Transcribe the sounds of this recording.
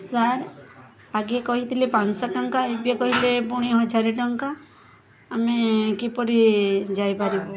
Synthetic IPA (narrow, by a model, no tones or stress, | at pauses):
saɾ | aɡekɔɦit̪ʰilepansɔʈɔŋkaebjɔkɔɦilepɔɽ̃iɦɔd͡ʒʱaɾiʈɔŋkaː | mekipɔɾid͡ʒajpaɾibɔ